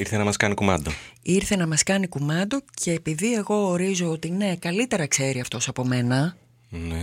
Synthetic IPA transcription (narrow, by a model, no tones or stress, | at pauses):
iɾθenɐmɐskɐnikumɐd̪oiɾθe̞nɐmɐskɐnikumɐnd̪o̞cʰe̞ːpiðie̞ɣo̞ːɾizo̞ot̪ine̞kɐlit̪e̞ɾɐkse̞ɾiɐft̪o̞sɐpo̞me̞nɐ | ne